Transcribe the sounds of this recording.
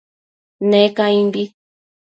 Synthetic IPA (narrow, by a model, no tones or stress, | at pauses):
nẽkãĩmbi